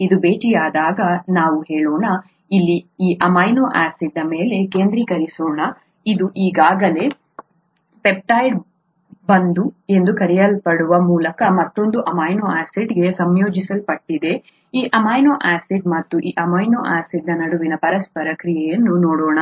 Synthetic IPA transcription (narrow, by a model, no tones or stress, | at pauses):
id̪ubeːʈijaːd̪aːɡɐnaːʋuɦe̞ːɭoːɳɐ | ilːiiːʔɐmaːjnoːʔaːsiɖːɐme̞ːle̞keːnd̪ɾikɐɾisoːɳɐ | id̪uʔiːɡaːɡɐle̞ | pep̚ʈaːjɖ | bɐnd̪ue̞nd̪ukɐɾijɐlpɐɽuʋɐmuːlɐkɐmɐt̪ːo̞nd̪uʔɐmaːjnoaːsiɖɡe̞sɐmjo̞ːd͡ʒisɐlpɐʈːid̪e̞ | iːʔɐmaːjnoːʔaːsiɖ̚mɐt̪ːuʔiːʔɐmɐjnoːʔaːsiɖnɐnɐɽuʋinɐpɐɾɐspɐɾɐkɾijɛjɐnːunoːɽoːɳɐ